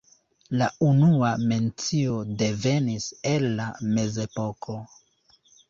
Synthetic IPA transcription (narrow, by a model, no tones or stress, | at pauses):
launuame̞nt͡sio̞de̞ve̞nise̞lːame̞ze̞po̞kʰo̞